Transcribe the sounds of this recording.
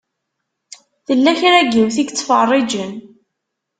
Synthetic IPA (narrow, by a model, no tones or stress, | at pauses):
θəlːæçɾæɡəmθiɡt͡sːfɑrˤːɪd͡ʒən